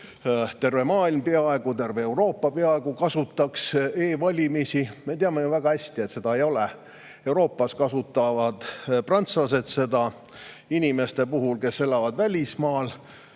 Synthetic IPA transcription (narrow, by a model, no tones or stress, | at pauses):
t̪e̞rve̞mɑːilmpe̞ɑe̞ɡ̥ut̪e̞rveewro̞ːpːɑpe̞ɑe̞ɡ̥ukɑsut̪ːˑɑkse̞ːvɑlʲimisime̞t̪eɑmejuvæɡ̥ɑhæsʲt̪iet̪se̞d̪ɑe̞jo̞le | e̞wɾo̞ːpːˑɑskɑsut̪ːˑɑvɑd̪̥prɑnt̪sɑse̞t̪se̞d̪ɑ | inime̞st̪e̞puɦulke̞se̞lɑvɑd̪vælʲismɑːl